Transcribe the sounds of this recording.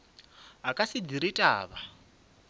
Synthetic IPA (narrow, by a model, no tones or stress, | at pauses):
ɦakʼasid͡ziɾitʼa̰ːβa